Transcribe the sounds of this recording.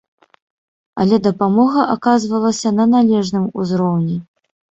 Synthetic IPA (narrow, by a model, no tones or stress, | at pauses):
ɐ̰lʲɛd̪ɐpamɔɣɐʔakazvɐlˠɐsʲɐnɐnalʲɛʐnɨmuzɾɔwnʲɛ